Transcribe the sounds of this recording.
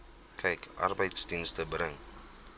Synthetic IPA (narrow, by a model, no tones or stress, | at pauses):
kʰɐjkʔa̰rbəjtstiŋstəbɾəŋ